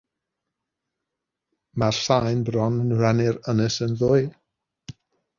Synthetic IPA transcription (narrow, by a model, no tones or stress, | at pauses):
marɬajnbrɔnənranɪɾənəsənðʊɨ